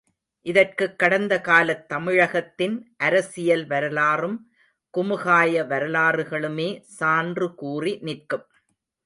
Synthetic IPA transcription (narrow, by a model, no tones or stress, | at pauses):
ʔɪðɐrkɯkːɐɽɐnd̪ɐkaːlɐt̪ːɐmɪɻɐɣɐt̪ːɪnʔɐɾɐsɪjɐlʋɐɾɐlaːrɯm | kʊmɯɣaːjɐʋɐɾɐlaːrɯɣɐɭɯmeːsaːndrɯkuːrinɪrkɯm